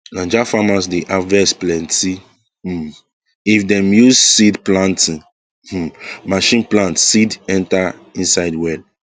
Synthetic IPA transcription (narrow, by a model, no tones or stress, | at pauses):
lãnd͡ʒafamasdeʔavɛsplɛ̃ntʰi | ifdɛ̃mjussidplãntĩ | maʃĩnplãntsidɛ̃ntaĩnsaɪdwɛl